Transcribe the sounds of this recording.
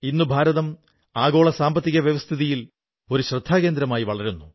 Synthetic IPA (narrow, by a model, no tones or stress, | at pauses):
inːubʱaːɾɐðɐm | aːɣo̞ːɭɐsaːmbɐt̪ːiɣɐʋjɐʋɐst̪ʰiðijil | o̞ɾuɕrɨd̪ʱːaːɣe̞ːnd̪ɾɐmaːjiʋɐɭɐɾunːu